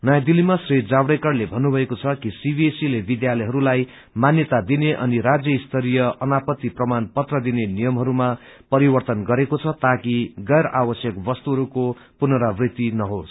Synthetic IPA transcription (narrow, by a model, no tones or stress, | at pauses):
nʌjad̪ilimasrid͡zabɽejkʌrlebʱʌnːubʱʌekot͡sʰʌkisibʱiesilebid̪jalʌjɦʌɾulaj | manjʌt̪ad̪ineʔʌniɾad͡zjʌist̪ʰʌɾijʌʌnapʌt̪ːiprʌmanpʌt̪rʌd̪inenijʌmɦʌɾuma | pʌɾiwʌrt̪ʌnɡʌɾekot͡sʰʌt̪akiɡʌjɾabʌsjʌkbʌst̪uɦʌɾuko | punʌɾabrit̪inʌɦos